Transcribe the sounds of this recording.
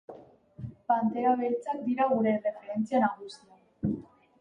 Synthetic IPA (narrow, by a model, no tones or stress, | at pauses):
pant̪eaβet͡sak̚d̪iɾaɣuɾe̞re̞fe̞ɾe̞nt͡sianaɣusia